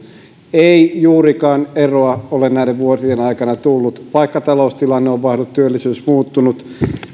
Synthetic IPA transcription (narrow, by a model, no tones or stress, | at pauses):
eijuːrikɑːneroɑolennæiɾeʋʋuosienɑikɑnɑt̪ulːut̪pɑikːɑt̪ɑloust̪ilɑnːeoʋʋɑihlut̪t̪yølːisyːsmuːt̪ːunut̪